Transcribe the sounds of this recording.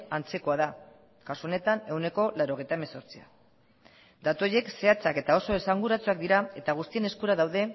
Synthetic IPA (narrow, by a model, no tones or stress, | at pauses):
ant͡se̞ko̞aða | kasuone̞t̪ane̞wne̞ko̞lawɾo̞ɣejt̪aemeso̞ɾt͡sia̰ | d̪at̪uoje̞kse̞at͡sake̞t̪ao̞so̞esaŋɡuɾat͡suak̚d̪iɾae̞t̪aɣ̞ust̪ie̞ne̞skuɾaðawðe̞